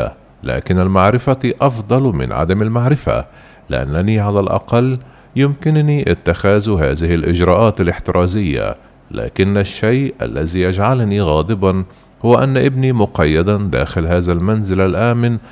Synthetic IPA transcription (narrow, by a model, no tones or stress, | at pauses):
a̰ | la̰ːkɪnalmaʕɾɪfaʔɑfd̪ˤɑlmɪ̰nʕa̰d̪amalmaʕɾɪfa̰ | lɪ̰ʔa̰nːaniʕalalʔɑ̰qɑlː | jɪmkɪnniʔɪt̪ːaxaːzhaːðɪhɪlʔɪd͡ʒɾˤɑːʔaːt̪alʔɪħt̪ɪɾˤʔɑːzɪjːa̰ | la̰ːkɪnːaʃːajʔʔa̰lːaziʔad͡ʒʕalniɣɑːd̪ˤɨbɑn | hʊwaʔanːaʔɪbnimʊqɑjːad̪and̪a̰ːxɪlhaːzalmanzɪlalʔaːmɪn